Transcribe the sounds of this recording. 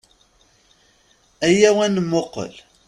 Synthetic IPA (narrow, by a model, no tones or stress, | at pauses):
æjæwænmoqə̰l